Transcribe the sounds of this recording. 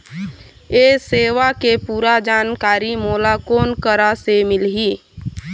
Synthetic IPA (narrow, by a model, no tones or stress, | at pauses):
eːseːʋakepuːɾad͡ʒaːnkaːɾimoːlakoːnkəɾasemɪlɦiː